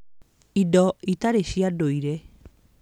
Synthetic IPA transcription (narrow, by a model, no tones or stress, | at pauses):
idɔitaɾeʃiadoiɾɛ